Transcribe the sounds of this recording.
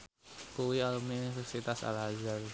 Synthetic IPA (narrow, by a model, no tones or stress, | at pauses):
kuwialəmninifɛrsit̪asa̰lɦazar